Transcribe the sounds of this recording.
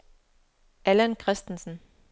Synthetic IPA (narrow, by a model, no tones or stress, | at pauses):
ælənkʰʁɛsd̥n̩sn̩